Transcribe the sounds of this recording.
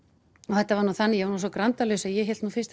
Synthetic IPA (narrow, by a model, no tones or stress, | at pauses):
ɔθɛht̪ːavaɾnuθanːɪjɛvaɾnusɔkɾant̪alœsɛðjɛɦɛlt̪nuːfɪst̪